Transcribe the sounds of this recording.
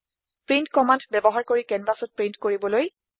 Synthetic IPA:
pɹintkɔmandbɛbɔɦaɹkoɹikɛnbasɔt̚pɹintkoɹibɔloj

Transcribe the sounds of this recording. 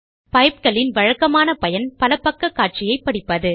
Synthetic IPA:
pɐɪp̚kɐlɪnʋɐɻɐkːɐmaːnɐpɐjɐnpɐlɐpːɐkːɐkːaːʈ̚t͡ʃɪjɐɪpːɐɽɪpːɐðɯ

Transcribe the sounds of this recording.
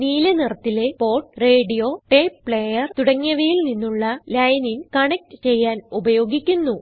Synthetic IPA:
niːlɐnirɐt̪ːile̞po̞ːʈreːɖijo̞ːʈeːppɭejɐrt̪uɽɐŋːɐʋɐjilninːuɭːɐlɐjɐninkɐɳek̚ʈɨt͡ɕe̞jːaːnubɐjo̞ːɡikʲːunːu

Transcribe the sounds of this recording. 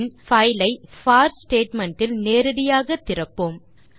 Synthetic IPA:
nfɐjlɐɪfaːɾsʈeːʈmɐɳʈɪlneːɾɐɽɪjaːɣɐt̪ːɪrɐpːɯm

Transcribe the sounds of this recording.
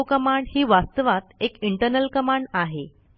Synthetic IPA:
kəmaɳɖhiːʋast̪əʋat̪ekiɳʈəɾnəlkəmaɳɖaɦe

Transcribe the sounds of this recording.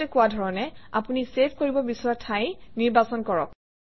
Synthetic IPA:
ɛkʊwadʱɔɹɔnɛapunisepʰkoɹibɔbisɔɹatʰajniɹbasɔnkɔɹɔ̰k̚

